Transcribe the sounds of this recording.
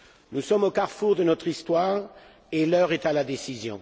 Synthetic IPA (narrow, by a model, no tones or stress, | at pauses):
nusɔmokaʁfuʁd̪ənɔt̪χist̪waːʁ | elœʁet̪alad̪esizjɔ̃